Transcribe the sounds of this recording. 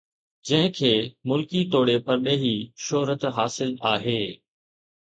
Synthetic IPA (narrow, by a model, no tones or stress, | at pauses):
d͡ʑɐ̃ɦɪ̃kʰeːmʊlkit̪oːɽepɐɾɗeɦiʃoɦɾət̪ɦaːsɪlaːɦeː